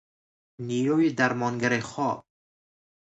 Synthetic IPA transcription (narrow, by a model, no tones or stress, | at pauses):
nijuid̪aɾmɔnɡaɾiχɔb̚